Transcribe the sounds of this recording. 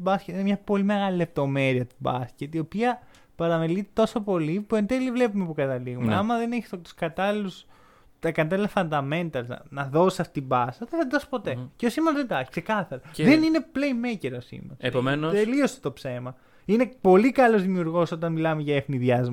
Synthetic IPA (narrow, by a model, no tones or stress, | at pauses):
bɐscet̪inemɲɐpo̞lime̞ɣɐlile̞p̚t̪o̞me̞ɾiɐt̪ubɐscet̪io̞piɐ | pɐɾɐmelit̪et̪o̞so̞po̞lipue̞nd̪elivle̞pume̞pukɐt̪ɐliɣumeɐmɐðeneçi̥st̪t̪u̥skɐt̪ɐlilus | t̪ɐkɐt̪ɐlilɐfɐnd̪ɐme̞nt̪ɐl̰nɐðo̞sisɐft̪it̪ibɐsɐðeθɐd̪ɐspo̞t̪e̞ceosimɐnzðend̪ɐçi̥kse̞kɐθɐɾɐðenine̞plejmeceɾosḭmɐepomenot̪eliose̥t̪o̞pse̞mɐ | ine̞po̞likɐlo̞zðimiuɾɣo̞so̞t̪ɐnmilɐmeʝɐefniðʝɐzm